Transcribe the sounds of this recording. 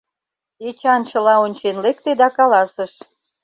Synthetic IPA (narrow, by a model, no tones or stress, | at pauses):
et͡ɕɑnt͡ɕə̆lɑonʲt͡ɕenlekt̪ed̪ɑkɑlɑsəʃ